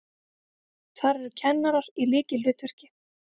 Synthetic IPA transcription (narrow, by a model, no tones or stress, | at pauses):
θaɾɛɾʏcʰɛnːaɾaɾ̥ilɪːcɪlʏːt̪vɛr̥cɪ